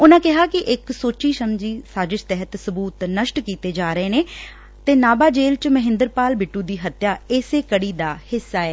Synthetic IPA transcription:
ʊnãːkɪɦaːkɪʔɪksoːt͡ʃiːʃəmd͡ʒiːsaːd͡ʒɪt͡ʃt̪ɛɦət̪səbuːt̪nəʃʈkiːt̪eːd͡ʒaːɾəeːneː | t̪eːnaːbaːd͡ʒeːlt͡ʃməɦɪ̃nd̪əɾpaːlbɪʈːũːd̪iːɦət̪jaːɪːseːkəɽiːd̪aːhɪsːaːɛː

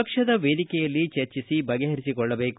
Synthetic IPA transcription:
ɐkʂɐd̪ɐʋeːd̪ikɛjɐlːit͡ʃɐɾt͡ʃisibʱɐɡeɦɐɾisikɔɭːɐbeːk

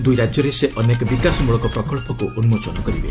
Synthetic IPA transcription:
d̪ujɾad͡ʒjɔɾeseʔɔnekɔbikasɔmuɭɔkɔpɾɔkɔɭpɔkuʔɔnumot͡ʃɔnɔkɔɾibḛ

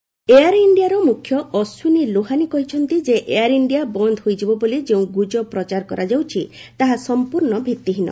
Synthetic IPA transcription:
eaɾiɳɖijaɾɔmukʰjɔɔswiniloɦanikɔɦit͡ʃʰɔnt̪id͡ʒeʔejaɾiɳɖijabɔnd̪ʱɦojd͡ʒibɔbolid͡ʒeũɡud͡ʒɔpɾɔt͡ʃaɾkɔɾʔad͡ʒawt͡ʃʰi | t̪aɦasɔmpuɾnɔbʱit̪ːiɦinɔ̰

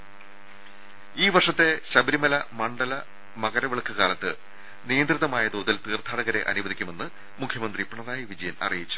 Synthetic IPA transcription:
iːʋɐrʂɐt̪ːe̞ɕɐbɐɾimɐlɐmɐɳɖɐlɐ | mɐɣɐɾɐʋeɭɐkʰːɨɣaːlɐt̪ːɨ | nijɐnd̪riðɐmaːjɐd̪oːðilt̪iːrt̪ʰaːɽɐɣɐɾe̞̰ʔɐ̰nubɐðikʲːume̞nːɨ | mukʰjɐmɐnd̪ripːɐɳɐmaːjiʋid͡ʑɐjɐnɐ̰rijit͡ɕːu̥

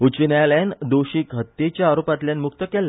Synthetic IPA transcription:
ut͡ɕənajlɛnd̪oɕiːkɦət̪ːet͡ɕjaːɾopat̪ljãnmuk̚t̪əkɛlːa

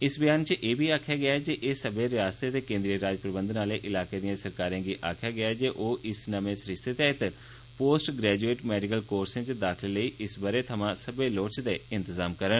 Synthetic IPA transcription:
ɪsbəjaːnt͡ʃəʔeːbiːaːkʰjaːɡɪaːɛd͡ʒeʔeːsəbeːɾɪjaːst̪et̪eːkẽːnd̪ɾiəɾaːd͡ʒpɾəbənd̪naːleːʔɪlaːkeːd̪ijãːsəɾkaːɾiãːɡiːʔaːkʰjaːɡɪaːɛd͡ʒeːʔoːʔɪsnəmẽːsɾɪst̪ʰet̪eːɪt̪ | poːsʈɡɾɛːd͡ʒueːʈmɛːɖɪkəlkoːɾsẽːt͡ʃəd̪aːkʰleləiːʔɪsbaɾeːt̪ʰəmãːsəbeːloːt͡ʃd̪eːɪ̃nt̪əzaːmkəɾən

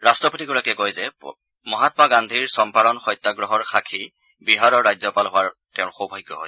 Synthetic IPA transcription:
ɹastɹɔpotiɡuɹakɛkojzɛ | mɔɦat̪ɔmaɡand̪ʱiɹsɔmpalɔnxɔjt̪ːaɡɹɔɦɔɹxakʰi | biɦaɹɔɹːajzɔpalɦʊwaɹtɛʊɹxobʱɔjɡːɔɦɔ̰j

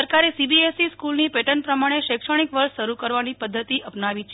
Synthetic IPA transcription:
əɾkaɾesibiesiskulnipeʈənpɾəmaɽ̃eʃekʂəɽ̃ikʋəɾʃʃəɾukəɾʋanipəd̪ʱːət̪iʔəpnaʋit͡ʃʰ

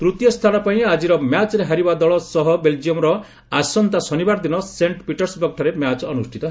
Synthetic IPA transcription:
t̪ɾut̪jɔst̪ʰanɔpaĩad͡ʒiɾɔmjat͡ʃɾeɦaɾibad̪ɔɭɔsɔɦɔbeld͡ʒiɔmɾɔ | asɔnt̪asɔnibaɾd̪inɔseɳʈpiʈɔɾsbɔkʈʰɔɾemjat͡ʃɔnusʈʰit̪ɔ

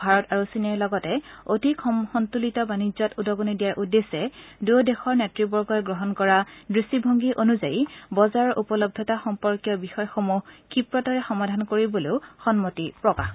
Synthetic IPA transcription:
bʱaɹɔtaɹusinɛɹlɔɡɔtɛodikxɔntulitɔbanizɔtudɔɡonidijaɹʔudesɛduodexɔɹnɛtɹibɔɹɡɔjɡɹɔɦɔnkɔɹadɹisibʱoŋɡiʔonuzajibɔzaɹɔʔupɔlɔb̚dʱɔtaxɔmpɔɹkijɔbixɔjxomuhkipɹɔtɔɹɛxɔmadʱankoɹiboleʊxɔnmotipɹɔkax

